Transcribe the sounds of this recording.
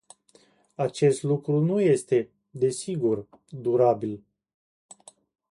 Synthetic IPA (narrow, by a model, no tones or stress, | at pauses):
at͡ʃe̞st̪lukɾunuje̞st̪e̞ | d̪e̞siɡur | d̪uɾabil